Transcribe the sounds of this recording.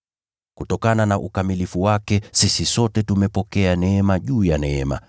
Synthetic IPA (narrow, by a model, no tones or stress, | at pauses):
kutɔkananaʔukamilifuwakɛsisisɔtɛtumɛpɔkɛanɛɛmaʄuːjanɛɛma̰